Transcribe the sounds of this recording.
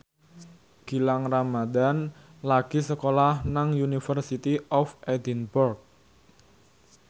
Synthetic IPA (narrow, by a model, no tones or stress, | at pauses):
ɡ̥i̤laŋramadanlaɡ̥isəkolahnaŋjunifərsit̪iɔfʔed̪inburk̚